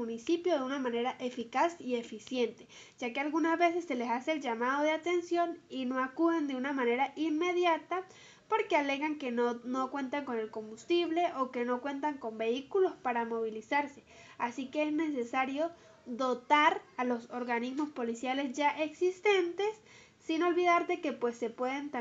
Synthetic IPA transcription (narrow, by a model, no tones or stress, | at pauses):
unisipjoðeunamãneɾaʔefikasiefisje̞nt̪e̥ | d͡ʒakealɣunazβe̞s̬esːe̞lesaseːlʝamaðoðeat̪ensjo̞ninoakuðend̪eunamãne̞ɾaʔinme̞ðjat̪a | po̞ɾkeale̞ɣaŋkenokwe̞nt̪aŋko̞nelko̞mbust̪iβleʔoke̞no̞kwe̞nt̪aŋko̞mbe̞ikulo̞spaɾamo̞β̞ilisaɾse̥ | asikeezne̞s̬esaɾjo | ðo̞t̪aɾalo̞soɾɣanizmospo̞lisjale̞zʝaʔeksist̪ent̪e̞sː | ino̞lβiðaɾd̪e̞ke̞pwe̞sːe̞pwe̞ðent̪a